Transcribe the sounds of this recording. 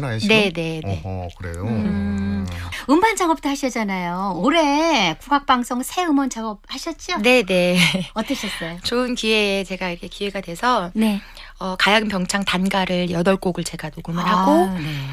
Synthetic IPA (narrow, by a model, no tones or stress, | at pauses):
ne̞ne̞nekɾḛjo | ɯmband͡ʑaŋʌp̚t͈oɦaɕʰʌd͡ʑanajooɾekuɡak̚p͈aŋs͈ʰoŋsʰe̞ɯmʌnd͡ʑaŋʌp̚haɕʰʌt̚t͡ɕ͈one̞ne̞ʌt͈ʌɕʰʌs͈ʌjot͡ɕoɯnkiwe̞ːt͡ɕe̞ɡaiɾʌkʰekiwe̞ɡadwe̞sʰʌne | ʌkajaɡɯmpjʌŋt͡ɕʰaŋtanɡaɾɯɭjʌdʌɭk͈oɡɯɭt͡ɕe̞ɡanoɡomɯnɦaɡo